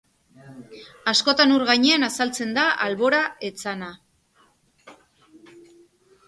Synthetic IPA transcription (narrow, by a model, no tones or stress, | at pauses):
asko̞t̪anuɾɣajɲe̞anasalt͡se̞nd̪aʔalβo̞ɾae̞t͡sana